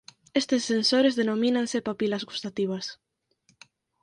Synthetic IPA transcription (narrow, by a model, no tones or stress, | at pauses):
est̪esːensoɾezðenomĩnãnsepapilɐzɣust̪at̪iβɐs